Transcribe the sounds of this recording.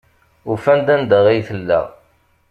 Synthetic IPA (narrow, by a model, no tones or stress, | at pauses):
ufænd̪ænd̪əʁijθəlːæ̰ʁ